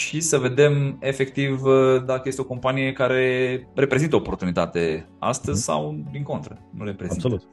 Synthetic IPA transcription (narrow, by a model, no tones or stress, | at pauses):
ʃisəve̞d̪e̞me̞fe̞kt̪ivd̪akəjest̪eoko̞mpanijekaɾe̞ɾe̞pɾe̞zint̪əoopo̞rt̪unit̪at̪e̞a̰st̪əzʲsa̰wd̪iŋko̞nt̪ɾənuɾepɾezinsout̪